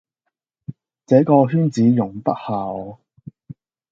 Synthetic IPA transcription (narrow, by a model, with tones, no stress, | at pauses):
t͡sɛː˨˥kɔː˧ɦyː˥nt͡siː˨˥jʊ˨˩ŋpɐ˥t̚haː˨ɔ˨˧˨